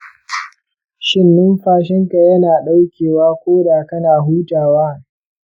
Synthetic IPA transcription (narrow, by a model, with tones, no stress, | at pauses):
ʃɪ˦nːɪ˦mɸaː˦ʃɪ˦ŋka˨jɐ˦naː˨ɗa˦wkʲeː˨waː˦kʷoː˦daː˨kɐ˦naː˨ɦuː˦taː˨waː˦